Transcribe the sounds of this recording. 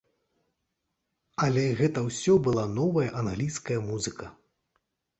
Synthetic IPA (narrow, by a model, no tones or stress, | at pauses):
ɐlʲɛɣɛt̪ɐwsʲɔbɨlˠanɔvɐjɐʔanɣlʲijskɐjɐmuzɨkʰɐ